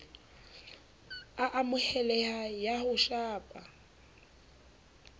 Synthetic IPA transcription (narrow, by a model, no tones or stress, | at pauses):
aʔamʊhɛlɛhajahʊʃaːpʼa